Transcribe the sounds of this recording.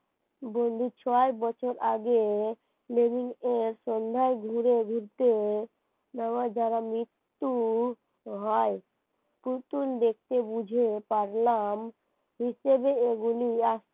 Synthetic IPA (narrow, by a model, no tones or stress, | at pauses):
bond̪ʱit͡ɕʰɔebɔt͡ɕʰoɾʔaɡe | lebiŋeɾʃɔnd̪ʱaeɡʱuɾeɡʱiɾt̪e | nawad͡ʑaɾamɾit̪ːu | ɦɔe | pɾut̪und̪ek̚t̪ebud͡ʑʱepaɾlam | ɦiʃebeeɡuliaʃ